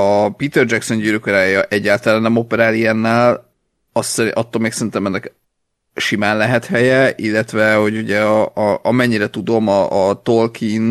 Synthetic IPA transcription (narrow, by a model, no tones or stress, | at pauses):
ɒpit̪ɛrd͡ʒɛkso̞nɟyɾøkoɾaːjɒʔɛɟːaːlt̪ɒlaːnːɛmo̞pɛɾaːlijɛnːɛːl | ɒsɒt̪ːolmeːksɛɾint̪ɛmɛnːɛk | ʃimaːnlɛɦɛt̪hɛjɛʔilːɛt̪vɛho̞ɟuɟɛʔɒmɛɲːiɾɛt̪ud̪o̞mɒʔːt̪o̞lkʰin